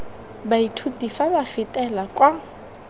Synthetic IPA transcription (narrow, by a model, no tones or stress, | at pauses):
baitʰudifabafɪtʼɛlakʼwa